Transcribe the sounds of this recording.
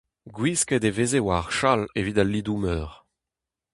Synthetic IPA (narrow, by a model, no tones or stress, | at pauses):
ɡwisked̪evezewaʁʃalevid̪alːid̪umœːʁ